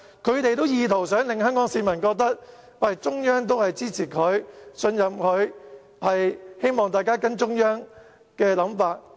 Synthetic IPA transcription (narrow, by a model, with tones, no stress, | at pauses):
kʰɵ˨˧ɥt̪e˨jt̪o˥wjiː˨˧t̪ʰo˨˩wsœː˨˥ŋlɪ˨˧ŋhœː˥ŋkɔː˨˥ŋsiː˧mɐ˨˩nkɔː˧k̚t̪ɐ˥k̚ | wɐ˨˩t͡sʊ˥ŋjœː˥ŋt̪̬o˥whɐ˨jt͡siː˥t͡sʰiː˨˩kʰɵ˨˧˥ɥsɵ˧njɐ˨mkʰɵ˨˧ɥ | hɐ˨jhe˥jmɔː˨ŋt̪aː˨jkaː˥kɐ˥nt͡ʃʊ˥ŋjœː˥ŋ | kɛː˧lɐ˨˥mfaː˧t̚